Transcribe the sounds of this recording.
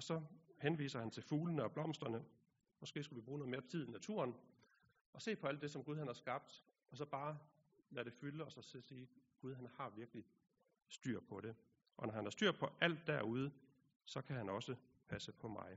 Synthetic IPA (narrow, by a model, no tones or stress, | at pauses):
ɒ̽sɒ̽henʋḭːsɐhænt͡sʰe̝lfuːlənəɒ̽b̥lɒ̽m̰sd̥ʁɐnə | mɒ̽sɡ̥e̝̰ːsɡ̥ulʋib̥ʁuːnoð̩ˠme̝ɐt͡sʰiðˠinæt͡sʰṵɐn | ɒ̽se̝̰ːpʰɒ̽æl̰d̥e̝sɒ̽mɡ̥uð̞ˠhænhɑ̈sɡ̥ɑ̈b̥̚d̥ | ɒ̽sɒ̽b̥ɑ̈ː | læɾe̝fyləɒ̽sɒ̽sesiːɡ̥uð̞ˠɦænhɑ̈ʋiɐɡ̥li | sd̥y̰ɐ̰pʰɒ̽ɾ̥e̝ | ʔɒ̽nɒhænhɑɐsd̥yɐ̰pʰɒ̽ʔæl̰d̥ːæɐuð̞ˠə | sɒ̽kʰæɦænɒ̽sə | pʰæsəpʰɒ̽mɑ̈ɪ